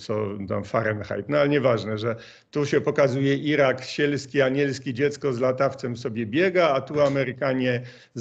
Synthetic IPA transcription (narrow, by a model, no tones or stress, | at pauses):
t̪sɔt̪a̰mfaɾɛnxa̰jt̪nɔalɛɲɛvaʐnɛʐɛ | t̪uɕɛpɔkazujɛʔiɾakɕɛlskʲiaɲɛlskʲid͡ʑɛt̪skɔzlat̪aft̪sɛmfsɔbʲjɛbʲjɛɡaːt̪uamɛɾɘkaɲɛ | z